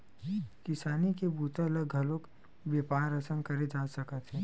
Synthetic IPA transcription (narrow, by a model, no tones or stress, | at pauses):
kɪsaːnikebuːt̪eləɡʱɐloːk | bjeːpaːɾɐsə̃ŋkɐɾed͡ʒaːsɐkət̪ɦɛː